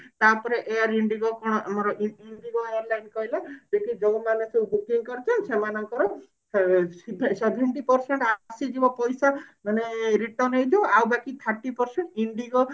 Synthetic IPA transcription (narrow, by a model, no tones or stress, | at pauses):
t̪apɔɾeʔejaɾiɳɖiɡɔkɔɽ̃ɔʔamɔɾɔʔiiɳɖiɡɔejaɾlaɳɖkɔɦilabekid͡ʒɔmanesewbukiŋkɔɾit͡ʃʰɔnsemanɔŋkɔɾɔ | sbʱsebʱeɳʈipɔɾseɳʈasid͡ʒibɔpɔjsamaneɾiʈɔnejd͡ʒ̪iawbakit̪ʰəɾʈipɔɾseɳʈiɳɖiɡɔ